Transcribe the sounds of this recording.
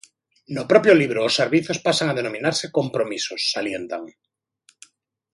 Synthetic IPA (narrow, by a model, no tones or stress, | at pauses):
nopɾopjoliβ̞ɾoːsːeɾβiθospasaŋað̞enomĩnaɾsekompɾomisosːaljent̪a̰ŋ